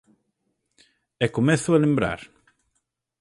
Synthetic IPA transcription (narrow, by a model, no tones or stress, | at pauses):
ekomeθʊelembɾa̰ɾ